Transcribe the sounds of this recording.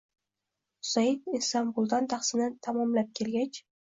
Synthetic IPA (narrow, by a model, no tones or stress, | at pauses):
sajɪd̪ɪsamʁʊlˠd̪ant̪ʰaχsɪnɪt̪ʰamɒmlap̚kʲʰe̞lɡʲat͡ʃ